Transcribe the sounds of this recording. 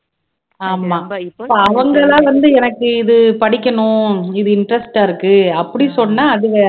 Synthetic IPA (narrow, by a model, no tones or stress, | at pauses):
aːmaːpːɐɐʋɐŋɡɐlãːʋɐnd̪ɯɛnɐkːɯɪðɯpɐɽɪkʲːɐɳʊ̃ɪðɯɪɳɖɾɐsʈaːɪɾɯkːɯɐpːɐɽisɔnːaːɐðɯʋɐ